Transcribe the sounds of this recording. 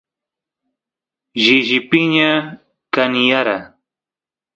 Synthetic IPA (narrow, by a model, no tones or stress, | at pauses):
ʒɪʒɪpɪɲa | kanɪjaɾa